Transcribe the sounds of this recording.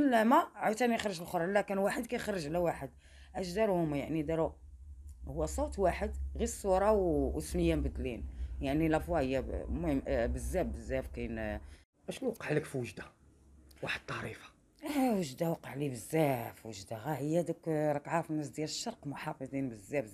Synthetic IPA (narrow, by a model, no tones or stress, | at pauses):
əlːæmæʕat̪ænjxɾəʒəlxoɾˤlækənwaħəd̪̚kæjxəɾˤːəʒlæwaħəd̪ | ʔæʒd̪ɑɾˤhʊmjaʕnid̪ɑɾu | hʊwːæsˤowt̪waħəd̪ɣisˤuɾˤɑwəsməjːambəd̪linjaʕnilʔæfwɑhəjːæmʊhəmbəzːæb̚bəzːæfkæjn | ʔæʃnwqːəʕləkfwəʒd̪ḁ | waħəd̪̚t̪ˤːɑɾifḁ | wəʒd̪awɑqːəʕlibəzːæfwəʒd̪aɣæhəjːæd̪əkɾˤɑkʕafənːæs̬d̪jæləʃːɑɾˤqmʊħɑfɑd̪ˤinbəzːæbz